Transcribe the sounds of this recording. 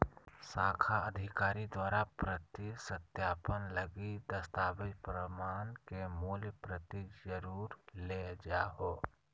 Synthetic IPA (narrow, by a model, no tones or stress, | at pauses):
saːkʰaəd̪ʱɪkaːɾid̪waːɾapɾət̪isət̪jaːpənləɡid̪əst̪aːbɪd͡ʒpɾəmaːnkemuːljpɾət̪id͡ʒəɾuːɾled͡ʒaːɦo